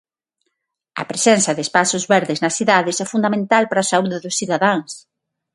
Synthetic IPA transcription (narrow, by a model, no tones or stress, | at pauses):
ɐ̰pɾesɛnθɐðɪespasʊzβɛɾðɪznɐsθiðaðɪsɛfund̪amẽnt̪alpaɾɐːsauðɪðʊsθiðaðaŋs